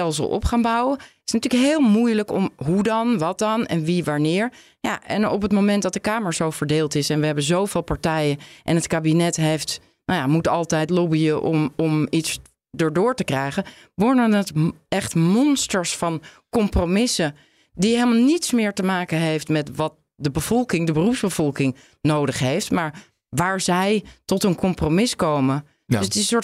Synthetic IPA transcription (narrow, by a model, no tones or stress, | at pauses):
ɛlˠsə̰lˠʔɔ̰pχaːnbʌwəɪsnatyːləkɦɪːlˠmujləkɔmɦudɑnʋɑt̚dɑnɛ̰nʋiʋaɹnɪːɹ | ja̰ʔɛ̰nɔpətmomɛntdɑt̚dəkaːməɹzowvəɹdeːlˠtɪsɛnʋəɦɛbənzowvɪːlˠpaɹtɛjəʔɛ̰nətkaːbinɛtɦejft | nojamutɑlˠtɛjtlɔbiəʔɔ̰mɔmits | dəɹdʊːɹtəkrɛjχə | ʋɔɹnəətɛχtmɔnstəɹsfɑnkɔmpromɪsə | diɦelˠmalˠnitsmɪːɹtəmaːkəɦejftmɛtʋɑt̚ | dəbəv̥ɔlˠkɪŋdəbərupzbəv̥ɔlˠkɪŋ | nowdəχɦejftmaːɹ | ʋaːɹzɛjtɔtənkɔmpromɪskowmə | dsətɪʊɹ